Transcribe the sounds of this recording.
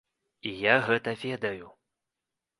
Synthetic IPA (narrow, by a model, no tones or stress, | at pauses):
ijaɣɛt̪ɐvʲɛd̪ɐju